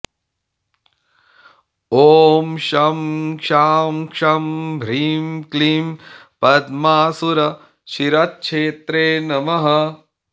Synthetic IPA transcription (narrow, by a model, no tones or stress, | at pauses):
oːmʃɐmkʂaːmkʂɐmbʱɾiːmkliːmpɐd̪maːsuɾɐ | ʃiɾɐt̪̚ʃʰeːt̪ɾeːnɐmɐɦɐ